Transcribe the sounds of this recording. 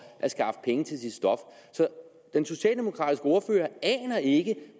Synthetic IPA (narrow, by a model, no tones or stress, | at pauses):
ʔæsɡ̥ɑ̈fd̥ə̥pʰeŋət͡sʰe̝lsid̥sd̥ɒ̽fsɒ̽ | d̥enso̝ɕɛ̰ːld̥emo̝kʰʁɑ̰̈ːd̥isɡ̥əoːɐfø̰ːɐɛ̰ːnɐe̝ɡ̥ə